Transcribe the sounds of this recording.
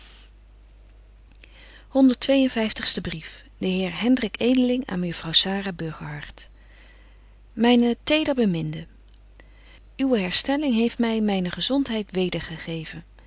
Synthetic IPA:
hɔndəɹtʋejənvɛjftəχstəbrif | d̥əɦɪːɹɦɛndrɪkejdəlɪŋa̰ːnməjɵfrɑwsaːraːbɵɹχəɦɑɹt | mɛjnətejdəɹbəmɪndə | ywəɦɛɹstɛlɪŋɦejftmɛjmɛjnəχəzɔntɦɛjtʋejdəɹχəχejvən

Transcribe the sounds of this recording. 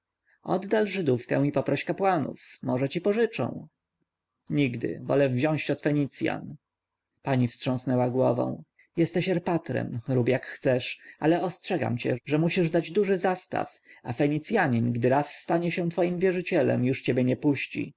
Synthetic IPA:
ɔ̰d̪ːalʐɘd̪ufkɛ̰w̃ipɔpɾɔɕkapwanṵfmɔʐɛt͡ɕipɔʐɘt͡ʂɔ̰̃w̃ | ɲiɡd̪ɘ̰vɔ̰lɛvʑɔ̃w̃ɕt͡ɕɔt̪fɛɲit̪sʲja̰n | paɲifstʂɔ̃w̃snɛwaɡwɔvɔ̰̃w̃ | jɛst̪ɛɕɛɾpat̪ɾɛ̰mɾubjakxt̪sɛʂalɛɔstʂɛɡa̰mt͡ɕɛ̰ʐɛmuɕiʐd̪ad͡ʑd̪uʐɘzast̪a̰f | afɛɲit̪sʲjaɲinɡd̪ɘɾasːt̪aɲɛɕɛ̃t̪fɔjimvʲjɛʐɘt͡ɕɛlɛ̰mjuʂt͡ɕebʲjɛɲɛpuɕt͡ɕḭ

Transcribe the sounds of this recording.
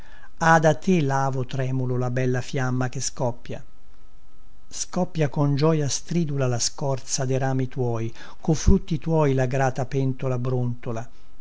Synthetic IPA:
ad̪at̪ːelaːvot̪ɾɛːmulolabɛlːafjamːak̟eskɔpːja̰ | skɔpːjakond͡ʒɔjast̪ɾiːd̪ulalaskɔrt̪sad̪eɾaːmit̪wɔːj | kʊfɾut̪ːit̪wɔjlaɡɾaːt̪apɛnt̪olabɾunt̪ola

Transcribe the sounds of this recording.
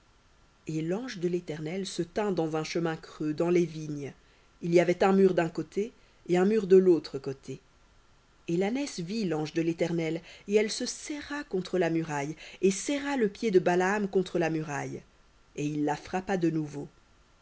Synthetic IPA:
elɑ̃ʒd̪əlet̪ɛʁnɛlsət̪ɛ̃d̪ɑ̃zɛ̃ʃəmɛ̃kχød̪ɑ̃leviɲ | ilijavɛt̪ɛ̃myʁd̪ɛ̃kot̪eː | ɛ̃myʁd̪əlot̪χəkot̪ʰe | elanɛsvilɑ̃ʒd̪əlet̪ɛʁnɛleɛlsəsɛʁakɔ̃t̪χəlamyʁajesɛʁaləpjed̪əbalaːmkɔ̃t̪χəlamyʁaj | eilːafχapad̪ənuvo

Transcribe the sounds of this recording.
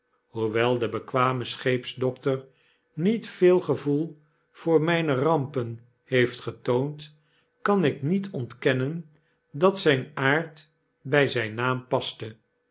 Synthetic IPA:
ɦuʋɛlˠdəbəkʋaːməsχejpzdɔk̚təɹ | nitfɪːlˠχəvulˠ | v̥ʊːɹmɛjnərɑmpən | hejftχətownt | kɑnɪknitʰɔntkɛnən | dɑtsɛjnaːɹt | bɛjzɛjnːaːmpɑstə

